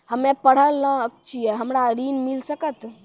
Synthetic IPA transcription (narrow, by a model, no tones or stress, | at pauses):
həmepəɽ̤əlːə̃əkt͡ʃʰijɛɦəmɾaɾinmilsəkət̪